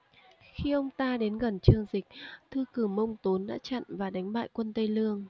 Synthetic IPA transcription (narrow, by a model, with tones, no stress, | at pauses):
xi˧ʔə˧wŋ͡mt̪aː˧ɗe˨˦nɣə˨˩nt͡ɕɨ˧˩əŋzï˨˩k̟̚t̪ʰɨ˧kɨ˧˩mə˧wŋ͡mt̪o˨˦nɗa̰ː˧˥t͡ɕa̰˧˨nvaː˨˩ɗa˨˦jŋ̟ɓa̰ː˧˨jkwə˧nt̪ə˧jlɨ˧əŋ